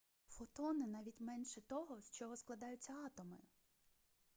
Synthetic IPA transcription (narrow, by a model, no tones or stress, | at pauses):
fɔt̪ɔnɪnɑʋʲitʲmɛnʃɛt̪ɔɦɔsʲt͡ʃɔɦɔsklˠɐd̪ɑjʊt͡sʲːɐɑt̪ɔmɪ̰